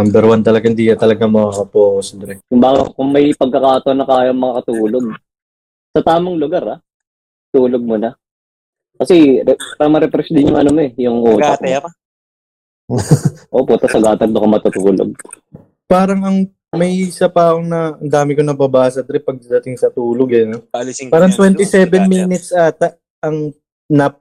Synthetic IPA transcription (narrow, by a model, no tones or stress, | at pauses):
nɐmbɛɾwant̪ɐlɐɡahɪnd̪iːkɐt̪ɐlɐɡaŋmɐŋakɐpoːkosd̪ɾɛkʊmbaːɡɐ̰kʊŋmɐjpɐɡ̚kːɐkaːt̪oʔɐnɐkaːjɐɐŋmɐŋɐkɐt̪uːlo̞ɡ̚ | sɐt̪aːmɐŋlʊɡaɾa | t̪uːloɡ̚monɐ | kɐsɛɛɾɐŋmɐɾɛpɾɛsd̪ɪnjʊŋʔɐnomoɛjʊŋʔoːɡtaɐt̪ɛɾ | ʔopʊnt̪ɐsɐɡaːt̪ɐɡ̚nokɐmɐt̪ut̪uːlo̰ɡ̚ | paːɾɐŋɐŋ | mɐjɪsɐpaːkoŋnɐɐnd̪aːmɪkonɐbɐbaːs̬ɐd̪ɾɛpɐɡ̪̚ɐd̪ɐt̪ɪŋsɐt̪uːloɡɐnolaːɾɐŋt̪wɛnɪsɛːbɛnmiːnɪt̪sʔaːt̪ɐʔ | ʔɐŋ | nɐp